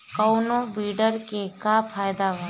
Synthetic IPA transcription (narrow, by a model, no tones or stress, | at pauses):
kəʊnõbiːɖəɾkekapʰaːjd̪aʋa